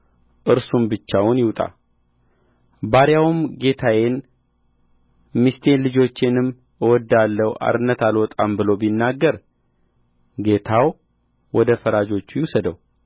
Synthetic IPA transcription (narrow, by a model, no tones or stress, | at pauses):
ʔɨɾsumbɨt͡ʃːawʊnjɪwt̪ʼa̰ | baɾjawumɡe̞t̪ʰajen | mist̪ʰe̞nlɨd͡ʒo̞t͡ʃːenɨm | wɔd̪ːalːəwʔa̰ɾɨnːət̪alwɔt̪ʼambɨlo̞binːaɡːəɾ | ɡe̞t̪ʰaw | wɔd̪əfəɾad͡ʒo̞t͡ʃːujusəd̪əw